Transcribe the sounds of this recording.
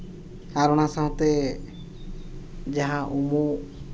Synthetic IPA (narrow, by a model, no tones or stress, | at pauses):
aɾɔɽ̃asaɦɔ̃t̪ɛ | d͡ʒaɦãʔumu